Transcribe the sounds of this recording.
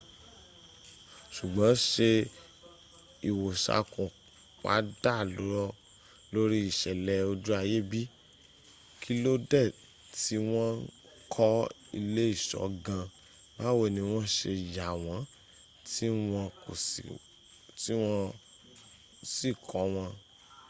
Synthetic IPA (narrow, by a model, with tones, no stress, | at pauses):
ʃu˨ɡ͡bã˨˦ʃe˧ | i˨wo˨ʃa̰˨˦kũ˨ | k͡pa̰˨˦da˦˨lo˨˦ɾɔ˦ | lo˦ɾi˦i˦˨ʃɛ˨lɛ˧o˧d͡ʒu˦a˧je˦bi˦ | kʰi˦lo˦dɛ˦˨ | ti˦w̃ɔ̃˦n˦ | kʰɔ˦ | ḭ˧le˦i˦˨ʃɔ̰˨˦ɡã˧ | ba˦we˦˨nĩ˧w̃ɔ̃˦ʃe˧˨ja˨w̃ɔ̃˨˦ | ti˦w̃ɔ̃˧ko̰˨sḭ˨ | ti˦w̃ɔ̃˧ | si˦˨kʰɔ˨˦w̃ɔ̃˧